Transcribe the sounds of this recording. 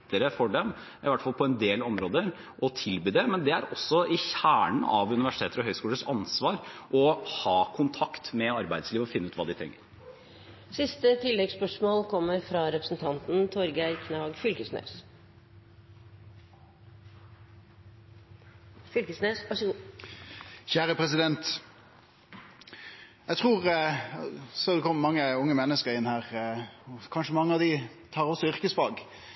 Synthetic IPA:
t̪əɾəfɔɖɛm | ʔɪʋæʈːfɑlpʰɔɛnd̪eːlɔmɾoːd̪əɾ | ʔɔt̪ʰɪlbyːd̪ɛmɛnd̪ɛæɾɔsːɔʔɪçæːɳəɑ̰ʋʉnɪʋæʂɪt̪ʰeːt̪əɾɔɦœʏskuːləʂɑnsʋɑːɾʔɔhɑːkʰʊnt̪ʰɑkt̪mɛɑɾbæɪd̪sliːʋɔfɪnːʉːt̪ʋɑːd̪ɪt̪ʰɾɛ̰ŋːə̰ɾ | sɪst̪ət̪ʰɪlːɛɡspœʂmoːlkʰɔmːəɾfɾɑɾɛpɾəsn̩t̪ʰɑnt̪n̩t̪ʰɔɾɡəæɪɾkʰnɑɡfʏlkəsnø̰ːs | fʏlkəsneːsʋɑʂəɡu | çæːɾəpʰʁɛsɪd̪ɛnt̪ | jæɪt̪ʰʁuːʁ | sɔd̪ɛkʰɔmːəmɑŋːəʊŋːəmɛnːəskəɾɪnhæːʁɔkʰɑnʂəmɑŋːəɑʋd̪ɪ | t̪ʰɑːʁɔsːɔʏʁkəsfɑːɡ

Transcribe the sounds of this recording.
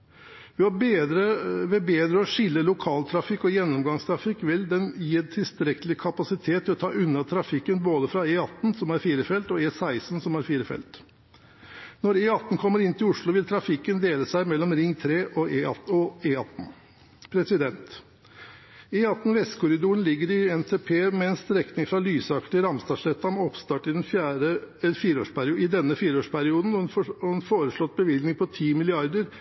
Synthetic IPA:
ʋɪɑɾəʋɛbeːd̪ɾəɔʂɪlːəlʊkʰɑːlt̪ʰɾɑfɪkːɔjɛnːɔmɡɑŋst̪ʰɾɑfɪkːʋɪld̪ɛnjiːɛnt̪ʰɪlst̪ɾɛkəlɪkʰɑpɑsɪt̪ʰeːt̪ʰːɪlɔt̪ʰɑːʔʉnːɑt̪ʰɾɑfɪkːənboːd̪əfɾɑeːɑt̪ːn̩sɔmæɾfiːɾəfɛlt̪ɔeːsæɪsn̩sɔmæɾfiːɾəfɛ̰lt̪ | nɔɾeːɑt̪ːn̩kʰɔmːəɾɪnt̪ʰɪlʊʂɭʊʋɪlt̪ʰɾɑfɪkːənd̪eːləsæɪmɛlːɔmɾɪŋːt̪ʰɾeːʔɔeːɑɔeːɑt̪ːn̩ | pʰɾɛsɪd̪ɛnt̪ | eːɑt̪ːn̩ʋɛskʰʊɾɪd̪uːəɳlɪɡːəɾɪɛnt̪ʰeːpʰeːmɛɛnst̪ɾɛknɪŋfɾɑlyːsɑkt̪ɪɾɑmst̪ɑːʂlɛt̪ːɑmɔpst̪ɑːʈɪd̪ɛnfæɾəfiːɾəo̰ːʂpæɾɪɪd̪ɛnːəfiːɾəoːʂpʰæɾɪuːd̪n̩ʋɔnfoːɾəʂɭɔt̪̚ːbəʋɪlɡnɪŋpʰɔt̪ʰiːmɪlɪɑɾd̪əɾ

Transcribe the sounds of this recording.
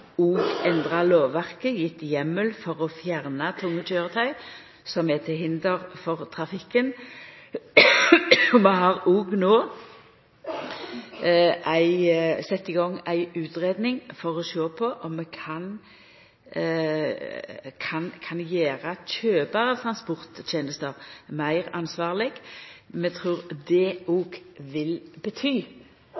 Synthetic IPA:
uːɡɛnd̪ʁɑloːʋʋæʁkəjɪt̪ːɪjɛmːəlfɔʁɔfjæʁnɑt̪ʰʊŋːətʰøːʁət̪ʰœʏ | sɔmɛt̪ʰɪɦɪnd̪əʁfɔʁt̪ʰʁɑfɪkːən | ɔmɛɦɑʁuːɡnoː | ʔæɪsɛt̪ːɪɡɔŋæɪʉːt̪ʁeːd̪nɪŋfɔʁɔʃoːpʰɔʔɔmːɛkʰɑn | kʰɑnkʰɑnjæːʁəçøːbəʁət̪ʰʁɑnspʊʁt̪c͡çɛnəst̪əʁmæɪʁɑnsʋɑːʁlɪɡ̥mɛt̪ʰʁʉːʁd̪ɛuːɡʋɪlbət̪ʰyː

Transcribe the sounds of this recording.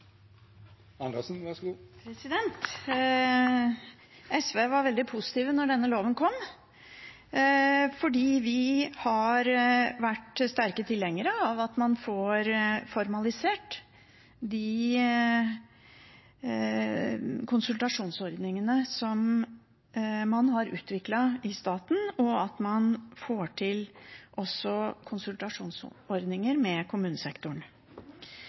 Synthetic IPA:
ɑnɑsn̩ɑpʰɾɛsɪd̪ɛnt̪ | ɛsʋeːʋɑɾʋɛld̪ɪpʰusɪ̥t̪iːʋənɔɖɛnːəloːʋənkʰɔm | fɔɖiːʋɪhɑɾʋæʈst̪æɾkət̪ʰɪlːɛŋːəɾəɑʋɑt̪mɑnfoːɾfɔɾmɑlɪseːʈ | d̪ɪ | kʰʊnsʉlt̪ɑʂuːnsɔɾd̪nɪŋənəsɔm | mɑnhɑɾʉ̰ːt̪ʋɪklɑɪst̪ɑːt̪n̩ɔɑt̪mɑnfoːʈʰɪlʔɔsːɔkʰʊnsʉlt̪ɑʂuːnsɔɾd̪nɪŋəɾmɛkʰʊmʉːnəsɛkt̪ʊɳ

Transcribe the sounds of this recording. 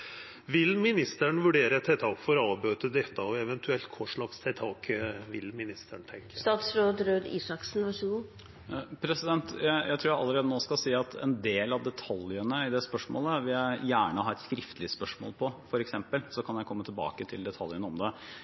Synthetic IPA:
ʋɪlmɪnɪst̪əɳʋʉɖeːɾəɛt̪ʰɛːt̪ʰɑːkfɔɾɑːbøːt̪əd̪ɛt̪ːəɔɛʋɛnt̪ʰʉɛlt̪kʰɔʂɭɑkst̪ʰɛːt̪ʰɑːkʋɪlmɪnɪst̪əɳt̪ʰɛŋkəst̪ɑːt̪sɾoːd̪ɾøːd̪iːsɑksn̩ʋɑʂʊɡuː | pʰɾɛsɪd̪ɛnt̪jæjæɪt̪ʰɾuːɾjæɪʔɑ̰lːəɾeːd̪ənoːskɑlsiːɑt̪ʰɛ̰nd̪eːlɑʋd̪ɛt̪ʰɑljənəɪd̪ɛspœʂmo̰ːləʋɪljæɪjæːɳəhɑːɾɛt̪skɾɪft̪əlɪspœʂmo̰ːlpʰɔfɔɾɛksɛmpəlsɔkʰɑnjæɪkʰɔmːət̪ʰɪlbɑ̰ːkət̪ʰɪld̪ɛt̪ʰɑljənəɔmd̪ɛ

